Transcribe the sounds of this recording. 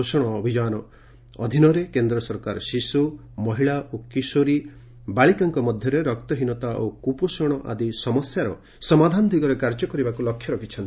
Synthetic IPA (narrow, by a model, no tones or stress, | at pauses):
osɔɽ̃ɔːbʱid͡ʒanɔ | ɔd̪ʱinɔɾekend̪ɾɔsɔɾkaɾɔsisu | mɔɦiɭaʔokisoɾi | baɭikaŋkɔmɔd̪ʱjɔɾeɾɔkt̪ɔɦinɔt̪aʔokuposɔɽ̃ɔʔa̰d̪isɔmɔsjaɾɔ | sɔmad̪ʱand̪ʱiɡɔɾekaɾd͡ʒɔkɔɾibakulɔkʰːjɔɾɔkʰit͡ʃʰɔnt̪i̥